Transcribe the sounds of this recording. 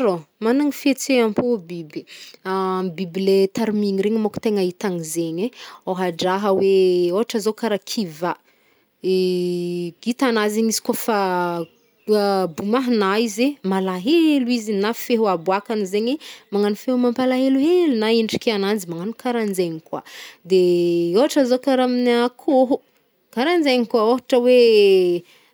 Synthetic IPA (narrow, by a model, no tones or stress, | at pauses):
romanaŋifet͡seampobibiambiblet̪aɾmiŋiɾeɲimoku̥t̪eŋait̪aŋizeɲeoɦaɖ͡ʐaɦəweoɦaʈ͡ʂəzokaɾakʰiva | e | it̪anazinisi̥kafa | bumaɦnaizemalaɦeluizinafeɦuabuakanizeɲemaŋanufeɦumampalaɦeluɦelnaiɳɖ͡ʐikʲeanand͡zimaŋanukaɾand͡zeɲikwa̰d̪eoaʈ͡ʂəzokaɾaminakʰoɦu | kaɾand͡zeɲikwaoɦaʈ͡ʂəwe